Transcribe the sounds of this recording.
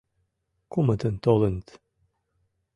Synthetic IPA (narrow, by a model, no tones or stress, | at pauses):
kumət̪ənt̪olənt̪